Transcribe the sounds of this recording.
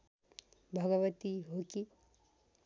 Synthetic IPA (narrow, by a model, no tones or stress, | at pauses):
bʱʌɡʌʋət̪iɦoki